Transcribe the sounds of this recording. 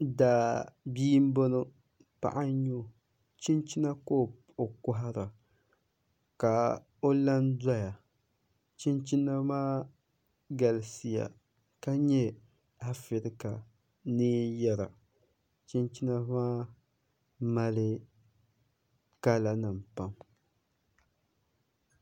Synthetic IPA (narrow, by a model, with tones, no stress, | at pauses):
daː˨biː˦m˦bo˦no˦ | pa̰˨ʔa˦ɲo˦ | t͡ʃi˦nt͡ʃi˦na˦ko˦˨ | o˨kʊ˦ɦa˦ɾa˨ | ka˨ | o˦la˦nda˦ja˨ | t͡ʃi˦nt͡ʃi˦na˦maː˦ | ɡa˨lsi˦ja̰˨ | ka˦ɲɛ˦ | a˦fɪ˨ɾɪ˦ka˨ | nɪː˦jɛ˦ɾa̰˨ | t͡ʃi˦nt͡ʃi˦na˦maː˦ | ma˦lɨ˦ | ka˦la˨nɨ˨mpa˦m